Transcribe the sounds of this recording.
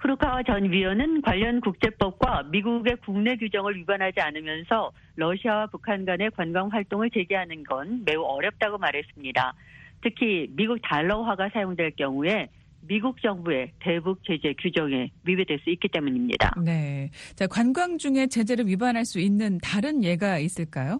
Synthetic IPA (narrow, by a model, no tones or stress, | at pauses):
pʰɯɾukʰawat͡ɕʌnɥiʌnɯnkwaʎːʌnkuk̚t͡ɕ͈e̞p͈ʌp̚k͈wamiɡuɡe̞kuŋne̞ɡjud͡ʑʌŋɯɭɥibanɦad͡ʑianɯmjʌnsʰʌ | ɾʌɕʰiawapukʰanɡwane̞kwanɡwaŋɸwaɭt͈oŋɯɭt͡ɕe̞ɡiɦanɯnɡʌnme̞uʌɾjʌp̚t͈aɡomaɾɦe̞s͈ɯmɲida | tʰɯkʰimiɡuk̚taɭːʌɦaɡasʰajoŋdwe̞ɭk͈jʌŋue̞ | miɡuk̚t͡ɕ͈ʌŋbue̞te̞buk̚t͡ɕ͈e̞d͡ʑe̞ɡjud͡ʑʌŋe̞ɥibedwe̞ɭs͈uik͈it͈e̞muɲimɲḭda̰ne̞t͡ɕakwanɡwaŋd͡ʑuŋe̞t͡ɕe̞d͡ʑe̞ɾɯɭɥibanɦaɭs͈uinːɯntaɾɯnje̞ɡais͈ɯɭk͈ajo